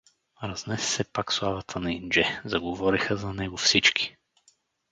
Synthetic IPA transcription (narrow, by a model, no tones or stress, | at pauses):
ɾɐznɛsɛ̥sɛpakslˠavət̪ʰənɐind͡ʒɛzɐɡovɔɾixəzɐnɛɡofsit͡ʃki̥